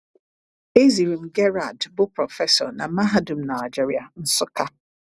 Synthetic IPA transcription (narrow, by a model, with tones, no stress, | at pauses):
e˦zi˨ɾi˨m̩˨ɡɛ˦ɾa˨dbʊ˦pɾɔ˨fɛ˦sɔ˨na˨˦ma˦ɦa˦du˨m̩˨˦na˨jd͡ʒi˦ɾi˨a˨n̩˦sʊ˦ka˦